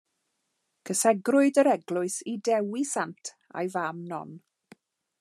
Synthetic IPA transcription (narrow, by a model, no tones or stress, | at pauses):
kʰəsɛɡrʊɨdəɾɛɡlˠʊɨsidɛwisantʰ | a̰jvamnɔ̰n